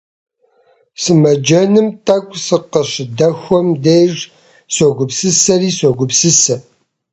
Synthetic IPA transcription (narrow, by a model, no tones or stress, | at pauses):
sɨmɐd͡ʒɐnɨmtʰɐkʷʼsɨqəɕɪdɐxʷɔmdejʐ | sʷɔɡʷʊpsɨsɐriːsʷɔɡʷʊpsɨsɐ